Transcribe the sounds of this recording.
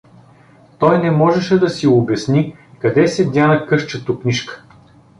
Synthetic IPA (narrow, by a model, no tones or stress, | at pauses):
t̪ɔjnɛmɔʒɛʃɛd̪ɐsiobʲɛsnikɐd̪ɛsɛd̪ʲanɐkɤʃt͡ʃɐt̪okniʃkə̥